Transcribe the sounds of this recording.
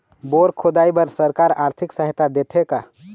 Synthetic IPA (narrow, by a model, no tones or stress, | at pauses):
boɾkʰod̪aːibəɾsəɾkaːɾaːɾt̪ʰɪksəɦt̪ad̪et̪ʰeka